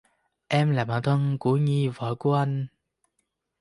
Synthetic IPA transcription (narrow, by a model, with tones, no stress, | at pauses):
ʔɛ˧mlaː˨˩ɓaː˧˨˩nt̪ʰə˧nkṵ˧˩əɲi˧və̰ː˧˨ku˧˩əʔa˧jŋ̟